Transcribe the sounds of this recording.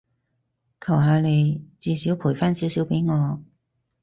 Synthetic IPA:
kʰɐ˨˩wɦaː˧le˨˧jt͡siː˨˧siː˨˥wpʰuː˨˩jfaː˥˩nsiː˨˥wsi˨˥wpe˨˥jŋɔː˨˧

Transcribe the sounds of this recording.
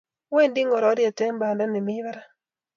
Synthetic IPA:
we˦˨ndi˦ŋɡɔ˨ɾɔ˨˦ɾjɛ˨tɛ˦mba˨nda˦nɪ˨mɪ˦βa˦ɾa˦

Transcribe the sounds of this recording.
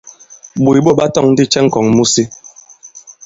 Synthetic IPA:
ɓu˨jɓo˦˨ɓa˦tɔ˦˨ŋn̩˦di˦t͡ʃɛ˦ŋ̩˨kɔ˨ŋmu˦si˦

